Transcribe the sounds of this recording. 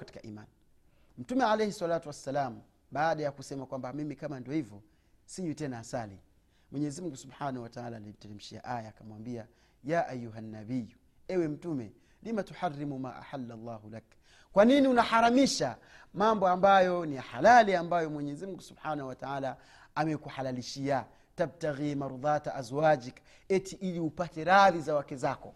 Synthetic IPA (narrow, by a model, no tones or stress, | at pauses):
kati̥kaʔḭma̰n | m̩tumɛʕalɛjhɛswalaːtuwasːalaːm̩ | ɓaːɗajakusɛmakwambamimikamandiɔhivɔ | siɲutɛnaːsalḭ | mwɛɲɛzimuŋ̩ɡusubħaːnahuwataʕalaːlim̩tɛlɛm̩ʃia̰ʔajaːkamwambia | jaːʔajːuɦanːabiju | ɛwɛm̩tumɛ | limatuħarːimuma̰ːʔa̰ħalːalˤːɑːhulak | kwaniniunahaɾamiʃa | mambɔambajɔnijaħalaliambajɔmwɛɲɛzimuŋɡusubħaːnahuwataaːla | amɛkuħalaliʃia | tab̚taɣimaɾuðˤaːtaazwad͡ʒik | ɛtiʔiliupatɛɾaðizawakɛzakɔ